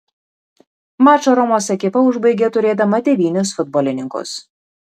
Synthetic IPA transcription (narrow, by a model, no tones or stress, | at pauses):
mɑːt͡ʃoːɾɔmoːsɛkʲɪpɐʊʒbɐɪɡʲet̪ʊɾʲeːd̪ɐmɐd̪ʲɛʋʲiːnʲʊsfʊd̪̚boːlʲɪnʲɪŋkʊ̰s